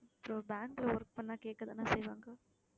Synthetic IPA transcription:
ɐpːɾoːbaːŋɡlɐʋɔɾk̚pɐnːaːkeːʈ̚kːɐða̰ːnaːsɛjʋaːŋɡɐ

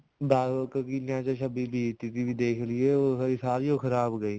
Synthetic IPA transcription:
bʱaːkəkinjãːt͡ʃaʃəbibʱit̪ɪt̪ibʱid̪eːkʰlieoəisaːɾioːxəɾaːbɡəiː

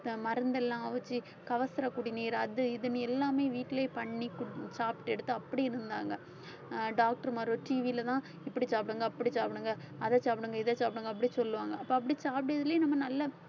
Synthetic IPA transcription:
mɐɾɐnd̪ɛlːãːʋɐt͡ʃːi | kɐʋɐsɐɾɐkːuːɽijniːɾɐðɯɪðɐnɯɛlːaːmeːʋiːʈːɪleːpɐɳːikːsaːpʈɛɽɯt̪ːɯɐpːɐɽiɪɾɯnd̪aːŋɡɐ | ɖaːk̚ʈɐɾmaːɾõʈiːʋilɐt̪ãː | ɪpːɐɽit͡ʃaːpɪɽɯŋɡɐːpːɐɽit͡ʃaːpɪɽɯŋɡɐ | ɐðɐt͡ʃaːpɽɯŋɡɐɪðɐt͡ʃaːpɽɯŋɡɐp̬ːɐɽisɔlːɯʋaːŋɡɐɐpːɐɐp̬ːɐɽit͡ʃaːpɪɽɪɐðɪleːnɐmːɐnɐlːɐ

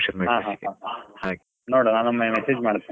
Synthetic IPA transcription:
ʃɐɾmeɦaːɦaːɦaːha | noɽonaːnɐmːɐmesed͡ʒmaːɽt̪ːi

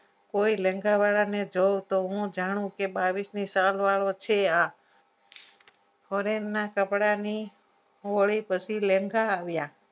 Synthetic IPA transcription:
koilẽŋɡʱaʋaɭaned͡ʒowt̪oɦũd͡ʒaɽ̃ũkebaʋisnisalʋaɭot͡ʃʰea | fʰoɾenːakəpɽani | oɭipət͡ʃʰilẽŋɡʱaːʋja

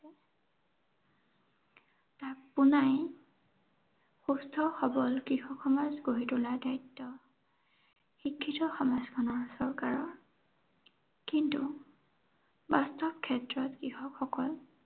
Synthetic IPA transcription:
takpunaj | xustʰɔxɔbɔlkɹixɔkxɔmazɡoɦitʊladajtːɔ | xikʰːitɔxɔmazkʰɔnɔɹsɔɹkaɹɔɹ | kintu | bastɔb̚kʰːɛtɹɔtkixɔkxɔkɔl

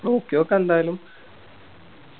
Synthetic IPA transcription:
oːkːejoːkːɐnd̪aːjlum

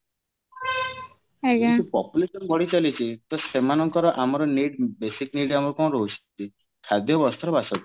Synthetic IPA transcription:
ɡt̪upɔpjulesɔnbɔɽit͡ʃalit͡ʃʰit̪ɔsemanɔŋkɔɾɔʔamɔɾɔniɽbesikniɽamɔɾukɔ̃ɾɔɦut͡ʃʰi̥t̪i | kʰad̪ʱjɔbɔst̪ʰɔɾɔbasɔt̪

